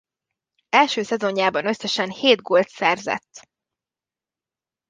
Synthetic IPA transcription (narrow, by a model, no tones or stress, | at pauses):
ɛlʃøːsɛzo̞ɲjaːbɒnø̞sːɛʃɛnheːd̪ɡoːlt̪sɛrzɛ̰t̪ː